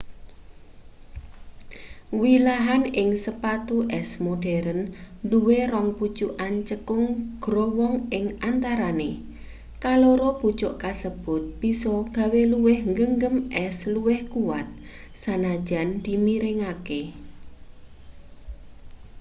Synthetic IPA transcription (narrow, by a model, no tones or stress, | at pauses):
wilaɦanɪŋsəpat̪uʔɛsmoɖ̥ɛɾənduwerɔŋpu̥t͡ʃuʔant͡ʃəkʊŋɡ̥ɾɔwɔŋɪŋʔant̪aɾane | kaloɾob̥u̥t͡ʃʊʔkasəb̥ʊt̪̚b̥isɔɡ̥a̤weluwɪhŋɡəŋɡəmʔɛsluwɪhkuwat̪̚ | sanad̥ʒ̥a̤nd̪̥i̤miɾɪŋake